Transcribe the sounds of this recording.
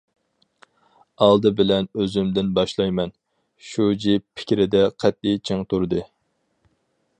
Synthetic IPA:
ɑlˠd̪ɨbɪlɛnøzymd̪ɪnbɑʃlˠɑjmɛn | ʃud͡ʒippʰɪ̥kʲɾɪd̪ɛqʰɛt̪̚it͡ʃʰɨŋt̪ʰuɾd̪ɨ

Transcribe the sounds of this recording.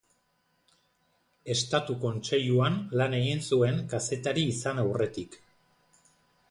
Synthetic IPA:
e̞st̪at̪uko̞nt͡ʃe̞ʎuanlane̞ɣinsue̞ŋkase̞t̪aɾiːsanawre̞t̪ik

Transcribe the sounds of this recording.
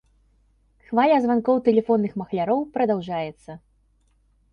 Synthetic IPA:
xvalʲɐzvankɔwt̪ɛlʲɛfɔnːɨxmɐxlʲaɾɔwpɾɐd̪awʐajɛt̪sːɐ

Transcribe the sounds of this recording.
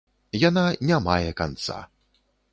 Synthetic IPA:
jananʲama̰jɛka̰nt̪sa̰

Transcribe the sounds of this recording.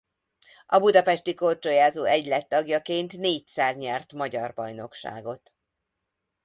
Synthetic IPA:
ɒbud̪ɒpɛʃt̪iko̞rt͡ʃojaːzoːɛɟlɛt̪ːɒɡjɒkeːnt̪neːc̚t̪saːrɲɛrt̪mɒɟɒrbɒjno̞kʃa̰ːɡo̞t̪

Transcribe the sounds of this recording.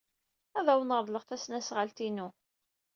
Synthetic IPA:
æðæwnəɾˤðˤləʁθæsnæsʁəlt̪inu

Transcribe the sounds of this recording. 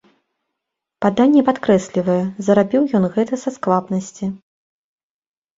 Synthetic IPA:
pad̪anʲːɛpat̪kɾɛsʲlʲivɐjɛzɐɾabʲiwjɔnɣɛt̪ɐsasklˠapnɐsʲt͡sʲi

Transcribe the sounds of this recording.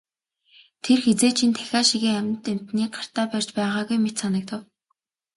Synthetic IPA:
t̪ʰerxet͡seːt͡ɕʰint̪ʰæ̥xʲaːʃiɣeːæmʲt̪em̥t̪niːk̚ɢar̥t̪aːpœr̥ʲt͡ɕpæːʁaːɣujmet̪sanə̆k̚t̪ə̆w

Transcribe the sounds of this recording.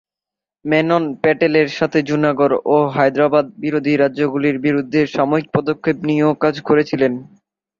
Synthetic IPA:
mɛnonpɛʈeleɾʃat̪ʰed͡ʑunaɡoɾoɦajd̪ɾabad̪̚biɾod̪ʱiɾaːʑoɡuliɾbiɾud̪ʱːeʃamoɾik̚pɔd̪okʰːepniokad͡ʑkoɾet͡ɕʰilen

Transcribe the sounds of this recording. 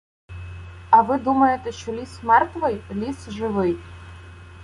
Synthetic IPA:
ɐʋɪd̪umɐjet̪ɛʃt͡ʃɔlʲismɛrt̪ʋɪjlʲisʒɪʋɪj

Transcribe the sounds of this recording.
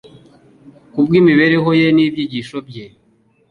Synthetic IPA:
kubɡiːmiβeɾe̞ɦo̞jeniːbjiɟiʃobɟe

